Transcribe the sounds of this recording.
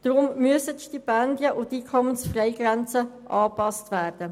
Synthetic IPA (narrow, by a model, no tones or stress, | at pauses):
d̥rʊmmyəsətʃtipɛndjəʔʊtiːkʰɔmənsfrɛɪɡrɛnt͡səʔɑːpɑstvæːɾd̥ə